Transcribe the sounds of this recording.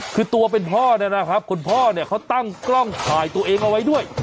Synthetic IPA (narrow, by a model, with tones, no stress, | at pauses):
kʰɯː˧t̪u˧ɐp̬e˧npʰɔː˥˩na˦˥na˦˥kʰɾa˦˥p̚kʰo˧npʰɔː˥˩ni˥˩ɐkʰa˦˥˩wt̪a˥˩ŋklɔ˥˩ŋt̪ʰaː˨˩jt̪u˧ɐʔeː˧ŋʔa˧wa˦˥jdu˥˩əj